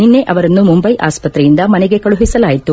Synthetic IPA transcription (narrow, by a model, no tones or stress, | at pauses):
ninːe̞ʔɐʋɐɾɐnːumumbɐjʔa̰ːspɐt̪ɾɛjind̪ɐmɐneɡe̞kɐɭuɦisɐlaːjit̪ːu